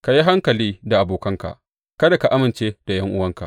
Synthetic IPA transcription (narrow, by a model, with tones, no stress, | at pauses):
ka˨ji˦ɦa˦ŋkɐ˨liː˦da˨ʔa˨boː˨kɐ˦ŋka̰˨ʔ | kɐ˦da˨ka˨ʔa˦mɪ˨nt͡ʃeː˦d̥a˨jɐ˦ŋʔʊ˦wɐ˦ŋka̰˨ʔ